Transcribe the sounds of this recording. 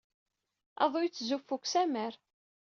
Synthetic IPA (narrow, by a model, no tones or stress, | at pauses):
ɑ̰ðˤʊjt͡sːzufːukʷsæməɾ